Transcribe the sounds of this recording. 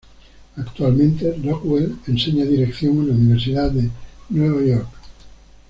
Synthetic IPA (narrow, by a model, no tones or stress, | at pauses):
akt̪ualmẽnt̪erokwelenseɲaðiɾekθjoŋelauniβ̞eɾs̬iðaðenweβajoɾk